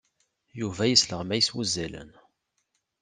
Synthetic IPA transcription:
juvæjəsləʁmæjəswuzːælə̰n

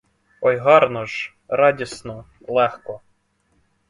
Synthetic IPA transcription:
ɔjɦɑɾnɔʒ | ɾɑdʲisnɔ | lˠɛxkɔ

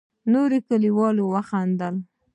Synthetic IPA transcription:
noɾekəliwɑlowaxand̪əl

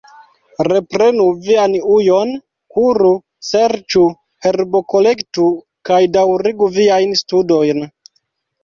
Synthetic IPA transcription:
ɾe̞pɾe̞nuvianujo̞n | kuɾu | se̞ɾt͡ʃu | he̞ɾbo̞ko̞le̞ktu | kajdawɾiɡuviajnstudo̞jn

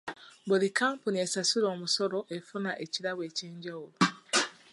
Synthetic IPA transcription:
bulikaːmpunesasuɾoːmusoɾoʔefunaʔeciɾaweːciːɲɟaulu

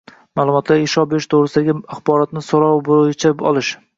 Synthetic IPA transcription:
maːlˠʊmɒt̪ʰlaɾeʃɒbeɾɪʃt̪ʰoʁɾɪsɪd̪aɡʲɪaχbɒɾɒt̪nɪsɒɾɒwbojt͡ʃʰaɒ̰lˠɪʃ

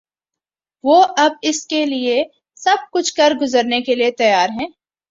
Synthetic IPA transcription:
ʋoːʔɐb̚ɪskelie | sɐb̚kʊt͡ʃʰkɐɾɡʊzəɾnekeliet̪ɐjaːɾɦɛ̃ː

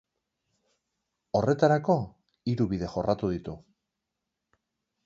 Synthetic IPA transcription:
o̞re̞t̪aɾako̞ | iɾuβiðe̞xo̞rʔat̪uðit̪u

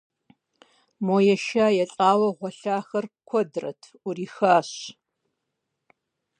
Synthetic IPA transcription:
moːjɛʃaːjɛɬʼaːwɐʁʷɔɬaːxɐrkʷʰɔdrɐ̰tʰ | uriːxaːɕ

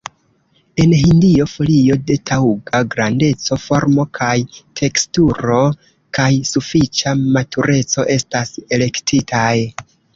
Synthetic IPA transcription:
e̞nɦindio̞fo̞lio̞de̞tʰawuɡaɡɾande̞t͡so̞fo̞ɾmo̞kʰajtʰe̞kstuɾo̞ | kajsufit͡ʃamatʰuɾe̞t͡so̞ʔe̞stase̞le̞ktʰitʰaj

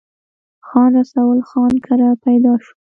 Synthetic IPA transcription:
xɑnɾasawəlxɑnkʰaɾapajd̪ɑʃu̥

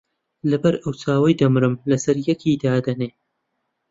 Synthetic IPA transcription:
lɐbɐɾɨwt͡sʰaːwɐjd̪ɐmɨɾɨmlɐsɐɾjɛkʰiːd̪aːd̪ɐneː

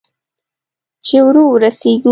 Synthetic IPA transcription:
t͡ʃewɾowɾaseɡ̪u

